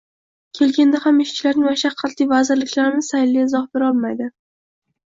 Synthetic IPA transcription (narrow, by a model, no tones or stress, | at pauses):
kʲʰe̞lɡʲand̪ahamɪʃt͡ʃʰɪlaɾnɪŋmaʃaqʰːɑt̪lijvazɪɾlɪkʲlaɾɪmɪz̥sajlːiɪzɒhbe̞ɾɒlˠmajd̪ɪ